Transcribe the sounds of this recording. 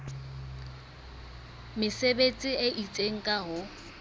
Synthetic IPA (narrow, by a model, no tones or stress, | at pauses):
mɪsebet͡sʼieʔit͡sʼeŋ̩kʼaɦʊ